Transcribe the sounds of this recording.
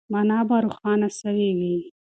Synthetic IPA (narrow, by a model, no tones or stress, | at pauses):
manaːbaɾuxɑːnasɐweɡi